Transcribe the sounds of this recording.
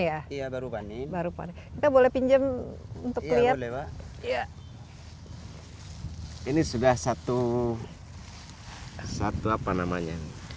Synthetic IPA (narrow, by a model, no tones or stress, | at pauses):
jaijabaɾupanibaɾupa̰nikit̪abolɛhpiɲd͡ʒəmunt̪ʊkkllialɛbaija | inisudahsat̪u | sat̪uapanamaɲa